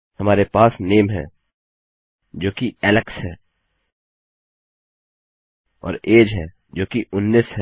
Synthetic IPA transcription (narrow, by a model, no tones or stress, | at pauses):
hɐmaːɾepaːsneːmɦɛ̰̃ː | d͡ʒoːkiɛːləksɦɛː | ɔ̰ːɾeːd͡ʒɦɛ̃ | d͡ʒoːkiʔʊnːiːsɦɛ